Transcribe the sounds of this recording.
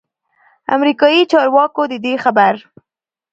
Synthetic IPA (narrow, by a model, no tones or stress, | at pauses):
a̰mɾikɑjit͡ʃɑɾwɑkod̪əd̪exabaɾ